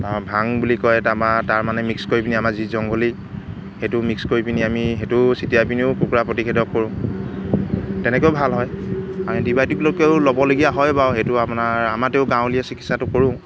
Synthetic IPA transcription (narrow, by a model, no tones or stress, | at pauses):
abʱaŋbulikɔjtamataɹmanɛmikskoɹipiniamazizɔŋɡoli | hetʊmikskoɹipiniamiɦetʊsitijapiniʊkukuɹapɹɔtikʰedɔkːoɹʊ̃ | tɛnɛkeʊbʱalɦɔjamidibajtuklokeʊlobɔloɡijaɦɔjbawɦetʊapʊnaamateʊɡãʊ̃liɛsikitsatʊkoɹʊ̃